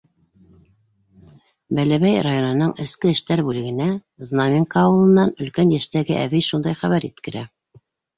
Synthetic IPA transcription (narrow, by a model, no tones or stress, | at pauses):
bælæβæjrajo̞nɤ̆nɤɴɘ̆skɘɘ̆ʃt̪æɾbʉlɘ̆ɡɘ̆næ | znamʲiŋkɑːwɤ̆lˠɤ̆nːɑnɵ̆lkænjæʃt̪æɡɘʔæβijʃund̪ɑjχæβæɾit̪kɘ̆ɾæ